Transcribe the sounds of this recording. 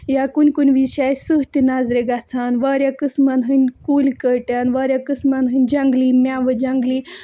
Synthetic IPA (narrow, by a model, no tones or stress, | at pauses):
jakunʲkunʲʋiɕajsɨɦt̪inazɾeɡat͡sʰanʋaɾʲjakɨsmanɦɨnʲkulikəɾʈjanʋaɾjakɨsmanɦɨnʲd͡ʒãŋɡliːmʲaʋəd͡ʒãŋɡli